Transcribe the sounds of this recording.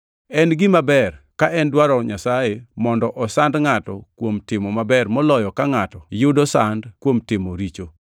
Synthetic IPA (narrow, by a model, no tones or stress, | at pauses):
ɛnɡɪmabɛrkaʔɛndwaɾɔɲasajemɔndɔʔɔsandŋatɔkwomtɪmɔmabɛrmɔlɔjɔkaŋatɔjʊdosandkwomtɪmoɾit͡ʃo